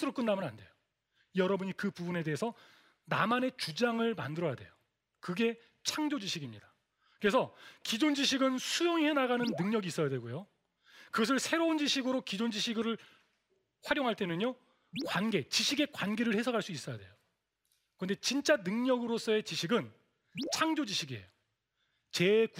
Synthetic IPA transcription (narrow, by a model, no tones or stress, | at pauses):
sʰɯɾok͈ɯnːamʌna̰nde̞̰jo | ijʌɾʌbuɲikɯpubune̞de̞ɦesʰʌ | na̰mane̞t͡ɕud͡ʑaŋɯɭma̰ndɯɾʌja̰dwe̞̰jo | kɯɡe̞ | t͡ɕʰaŋd͡ʑod͡ʑiɕʰiɡimɲidḁ | kɯɾesʰʌkid͡ʑond͡ʑiɕʰiɡɯnsʰujoŋihe̞naɡanɯnːɯŋɲʌɡiːs͈ʌjadwe̞ɡojo | kɯɡʌs̬ʰɯɭsʰe̞ɾound͡ʑiɕʰiɡɯɾokid͡ʑond͡ʑiɕʰiɡɯɾɯɭ | ɸwaɾjoŋɦaɭt͈e̞nɯɲo | kwanɡe̞t͡ɕiɕʰiɡe̞kwanɡe̞ɾɯɭhe̞sʰʌɡʰaɭs͈uis͈ʌja̰dwe̞̰jo | kɯɾʌnde̞t͡ɕint͡ɕ͈anɯŋɲʌɡɯɾos͈ʌe̞t͡ɕiɕʰiɡɯn | t͡ɕʰaŋd͡ʑod͡ʑiɕʰiɡiejo | t͡ɕe̞k